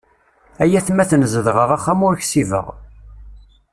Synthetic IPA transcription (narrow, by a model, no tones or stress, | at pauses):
æjæθmæθnəzəðʁəʁæχːæmʊɾçsivə̰ʁ